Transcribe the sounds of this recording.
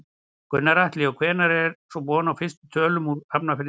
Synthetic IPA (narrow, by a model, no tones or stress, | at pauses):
kʏnːaɾaht̪lɪɔkʰvɛːnaɾɛɾsɔbɔːnawfɪst̪ʏt̪ʰœːlʏmuɾap̚nafɪn